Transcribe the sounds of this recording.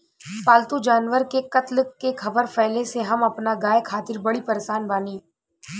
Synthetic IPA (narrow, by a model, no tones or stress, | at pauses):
paːlt̪ud͡ʒaːnʋəɾkekɐt̪ləkːekʰɐbəɾfɛːleseɦɐmɐpnaɡaːjkʰaːt̪ɪɾbɐɽipɐɾeʃaːnbaːniː